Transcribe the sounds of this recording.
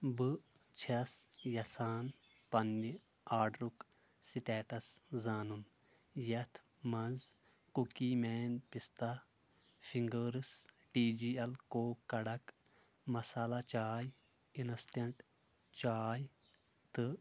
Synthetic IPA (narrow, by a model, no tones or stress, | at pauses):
bɨ | t͡ʃʰɐsjɐsaːn | pɐnːi | aːɖɾuk | siʈeːʈɐszaːnun | jɐt̪ʰ | mɐnz | kukiːmeːnpist̪a | fʰiŋɡəːɾɨs | ʈiːd͡ʒiːɐlkoːkːɐɽɐk | mɐsaːlat͡ʃaːj | inɐst̪ɐɳʈ | t͡ʃaːj | t̪ɨ